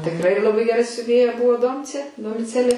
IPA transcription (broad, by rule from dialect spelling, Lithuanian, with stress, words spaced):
tʲɪkˈrɐɪ lˠɐˈbɐɪ ɡʲɛˈrɐ sʲʊˈʋʲeːjɛ ˈbʊʋoː ˈdoːmʲt͡sʲeː doːmʲɪˈt͡sʲæːlʲeː